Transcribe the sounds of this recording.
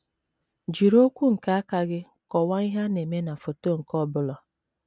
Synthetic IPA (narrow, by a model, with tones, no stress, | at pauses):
d͡ʒi˨ɾo˦kʷu˦ŋ̩˨ka˦a˦ka˨ɡɪ˦ | kɔ˨wa˦i˦ɦa˦ne˨me˦na˨fo˨to˦ŋ̩˨kɔ˦bʊ˦lɔ˨